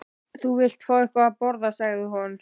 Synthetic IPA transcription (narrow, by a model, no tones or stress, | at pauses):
θuvɪl̥t̪faːʏhpaapɔɾðasaɣðɪɦɔn